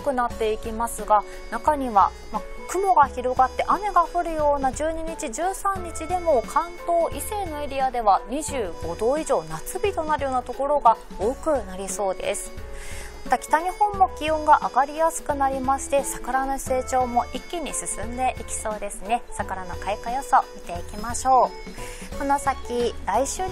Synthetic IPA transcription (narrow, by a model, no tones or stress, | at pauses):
kɯ̟nat̪ːe̞ikʲimasɨɡa | nakaɲ̟iβa̰ | makɯ̟mo̞ɡaçiɾo̞ɡat̪ːe̞ʔane̞ɡaɸɯ̟ɾɯ̟jo̞ːnad͡ʑɨːɲ̟iɲ̟it͡ɕiʑɨːsãɲ̟ːit͡ɕid̪e̞mo̞kʰãnt̪o̞ːʔise̞ːno̞e̞ɾʲiad̪e̞β̞aɲ̟iʑɨːɡ̥o̞d̪o̞ːiʑo̞ːnat͡sɨbʲit̪o̞naɾɯ̟joːnat̪o̞ko̞ɾo̞ɡa | oːkɯ̟naɾʲiso̞ːd̪e̞̰sɨ̥mat̪akʲi̥t̪aɲ̟ihõ̞mːo̞kʲiõ̞ŋɡaʔaɡaɾʲijasɨ̥kɯ̟naɾʲimaɕi̥t̪e̞sakaɾanose̞ːt͡ɕo̞ːmo̞ʔikʲːiɲ̟isɨsɨ̃nd̪e̞ʔikʲi̥so̞ːd̪e̞sɨne̞sakaɾano̞kaikajosamʲit̪e̞ikʲimaɕo̞ː | konosakʲiɾaiɕɨː